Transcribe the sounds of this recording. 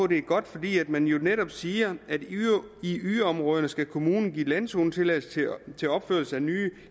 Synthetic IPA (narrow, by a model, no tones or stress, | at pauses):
ɔd̥e̝æɡ̥ɒ̽d̥fɒ̽d̥ḭːæd̥mænjo̝neɾɒ̽b̥siːɐʔæd̥iyɒ̽mʁɔːð̞ˠɐnəsɡ̥ækʰo̝muːnn̩ɡ̥ḭːlænso̝ːn̩t͡sʰe̝læst͡sʰe̝lɒ̽b̥føɐ̰l̩səænyː